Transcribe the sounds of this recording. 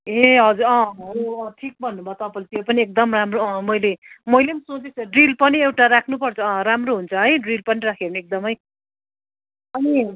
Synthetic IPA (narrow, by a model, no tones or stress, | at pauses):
eɦʌd͡zuɾʌ̃oʌʈʰik̚bʱʌnːubʱʌt̪ʌpʌlt̪iʌpʌniek̚d̪ʌmramroʌ̃mʌjlemʌjlemisot͡sit͡sʰʌɖrilpʌniewʈaɾakʰnupʌrt͡sʰʌʌ̃ɾamroɦunt͡sʰʌɦʌjɖrilpʌniɾakʰerneek̚d̪ʌmʌj | ʌni